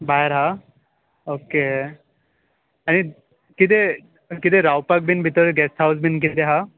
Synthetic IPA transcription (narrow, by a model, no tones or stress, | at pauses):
baɦeɾɦa | oke | ani | kid̪e | kid̪eɾawpak̚binbʱit̪ɔɾɡɛsʈʰɦawsbink̬id̪eɦa